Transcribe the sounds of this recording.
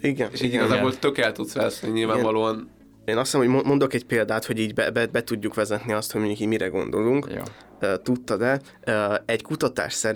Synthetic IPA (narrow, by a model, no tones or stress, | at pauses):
iɡɛneʃiɟiɡɒzaːbolt̪økɛlt̪ut̪sʋɛsniɲilvaːvɒloːɒn | eːnɒssnmoɟmomo̞nd̪o̞kɛcpeːld̪aːt̪ho̞ɟiːɟbɛbɛbɛt̪uɟːukʋɛzɛt̪niɒst̪hoɟmiɲukiːmiɾɛɡo̞̰nd̪o̞luŋkj̰ | øːt̪ut̪ːɒd̪ɛ | ɛckut̪ɒt̪a̰ːʃsɛɾ